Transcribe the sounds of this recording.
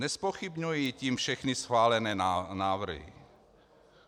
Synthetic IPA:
nɛspoxibɲujiːciːmfʃɛxnisxvaːlɛnɛːnaːvr̩ɦḭ

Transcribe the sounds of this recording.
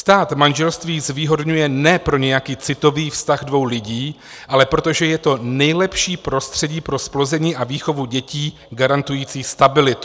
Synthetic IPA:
st̪aːt̪manʒɛlst̪viːzviːɦo̞dɲujɛnɛpɾo̞ɲɛjakiːt͡sɪt̪o̞viːfst̪aɣdvo̞wlɪɟiː | ʔalɛpɾo̞t̪oʒɛjɛt̪o̞nɛjlɛpʃiːpɾo̞st̪r̝̥ɛɟiːpɾo̞splo̞zɛɲiːʔaviːxo̞vuɟɛciː | ɡaɾant̪ujiːt͡siːst̪abɪlɪt̪u̥

